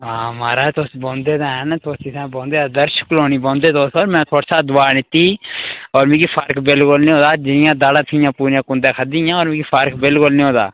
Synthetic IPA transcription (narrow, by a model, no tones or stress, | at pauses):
ãːmaːɾaːt̪osbõːnd̪eːd̪aːɦɛnt̪ʰosisɛ̃ːbõːnd̪eːad̪əɾʃə̥kloːniːbõːnd̪eːt̪osɔːɾmɛ̃ːt̪ʰoːɽsʰaːd̪ʊʋaːnɪt̪ːiːɔːɾmĩːɡiːpʰaːɾkbɪlkʊlnĩːɦoːd̪aːd͡ʒɪnɪjãːd̪aːɽãːt̪ʰɪjãːpuːɾjãːkʊ̃nd̪ãːkʰəd̪iːjãːɔːɾmɪ̃ːɡiːpʰaːɾkbɪlkʊlnĩːɦõːd̪a̰ː